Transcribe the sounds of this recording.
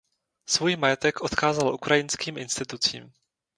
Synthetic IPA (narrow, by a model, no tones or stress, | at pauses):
svujmajɛt̪ɛkʔot̪xaːzalʔukɾʔajɪnskiːmʔɪnst̪ɪt̪ut͡sḭːm